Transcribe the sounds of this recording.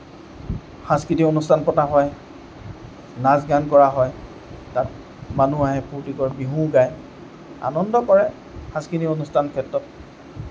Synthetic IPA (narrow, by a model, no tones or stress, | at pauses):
xãskɹitionustʰanpɔtaɦɔj | nazɡankɔɹaɦɔj | tat̚ | manuaɦɛpuɹtikɔɹbiɦũɡaj | a̰nɔndɔkɔɹɛ | xãskɹitionustʰankʰɛtɹɔt̚